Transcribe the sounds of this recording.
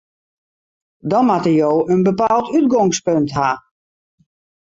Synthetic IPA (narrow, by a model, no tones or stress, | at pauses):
dɔnmatəjoːənbəpaːlˠtʰyt̚ɡɔŋspøntɦa